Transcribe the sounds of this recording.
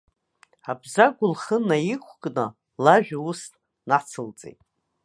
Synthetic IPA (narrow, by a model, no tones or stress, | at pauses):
abzaɡʷʊlχənajɪkʷʰkʼnɨ | laʒᶣaustʼ | nat͡sʰɨlt͡sʼḛjtʼ